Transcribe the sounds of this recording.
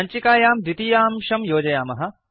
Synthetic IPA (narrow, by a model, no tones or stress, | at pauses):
ɐɲt͡ʃikaːjaːmd̪it̪ijaːmʃɐmjoːd͡ʒɐjaːmɐɦɐ̆